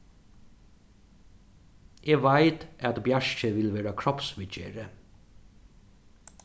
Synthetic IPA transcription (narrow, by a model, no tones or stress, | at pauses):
jeːʋæɪt̪ʔɑt̪bjæʃçəʋɪlʋeːɾɑkʰɹɔpsʋɪt͡ʃə̰ɾə